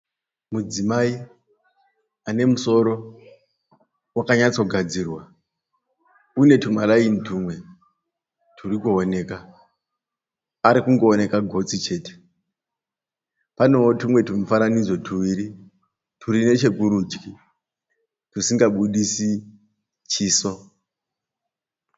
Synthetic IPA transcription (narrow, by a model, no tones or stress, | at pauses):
mud͡zimai | ane̞muso̞ɾo̞ | wakaɲat͡so̞ɡʱad͡zirwa | une̞tumalainituːmwe̞ | tʰuɾikuone̞ka | aɾikuŋɡo̞ːne̞kaɡʱo̞t͡sit͡ʃe̞ːte̥ | pano̞otumwe̞tumufananid͡zo̞tʰuwiɾi | tʰuɾine̞t͡ʃe̞kuɾuːd͡ʒɡi | tusiŋɡaɓuɗisi | t͡ʃiːso̞